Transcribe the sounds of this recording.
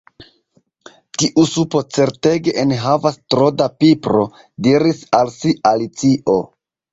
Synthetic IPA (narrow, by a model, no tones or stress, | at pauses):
tiʔusupo̞t͡se̞ɾte̞ɡe̞ʔenɦavastɾo̞dapipɾo̞ | diɾisalsialit͡siʔo